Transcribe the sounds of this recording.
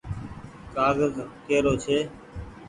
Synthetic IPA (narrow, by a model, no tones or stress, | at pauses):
kaːzəzkeːɾoːt͡ʃʰeː